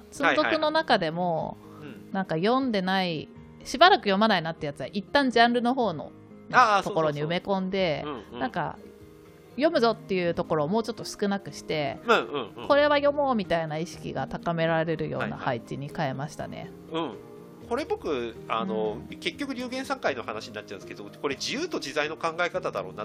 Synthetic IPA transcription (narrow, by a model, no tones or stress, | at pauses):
t͡sɨ̃zo̞kkɯ̟no̞nakad̪e̞mo̞ | nãŋkajõ̞nd̪e̞nai | ɕibaɾakɯ̟jo̞manainat̪ːe̞jat͡sɨβaʔit̪ːãɲ̟d͡ʑãnɾɯ̟no̞ɦo̞ːno̞̰ | noko̞ɾo̞ɲ̟iɯme̞kõ̞nd̪e̞ãŋka̰ | jo̞mɯ̟zo̞t̪ːe̞jɯ̟ːt̪o̞ko̞ɾo̞ːmoːt͡ɕo̞t̪ːo̞sɨ̥kɯ̟nakɯ̟ɕi̥t̪ẽ̞ɯ̟̃ɴko̞ɾe̞βajo̞mo̞ːmʲit̪ainaiɕi̥kʲḭɡat̪akame̞ɾaɾɾe̞ɾɯ̟jo̞̰ːna̰hait͡ɕiɲ̟ikae̞maɕi̥t̪a̰nḛ | ɯ̟̃ɴ | ko̞ɾe̞bo̞kɯ̟a̰nno̞ke̞kʲːo̞kɯ̟ɾʲɨːɡẽɰ̃sãŋkaino̞hanaɕiɲ̟inat̪̚t͡ɕːaɯ̃sɨ̥ked̪oko̞ɾe̞d͡ʑijɯːt̪o̞d͡ʑizaino̞kãŋɡaekat̪ad̪a̰ɾo̞̰ːna